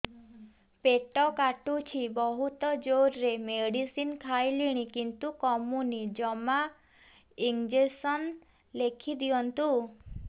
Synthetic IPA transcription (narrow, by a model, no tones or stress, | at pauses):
peʈɔkaʈut͡ʃʰibɔɦut̪ɔd͡ʒoɾɾemeɽisinkʰajliɽ̃ikint̪ukɔmunid͡ʒɔma | iŋd͡ʒesɔn | lekʰid̪iɔnt̪u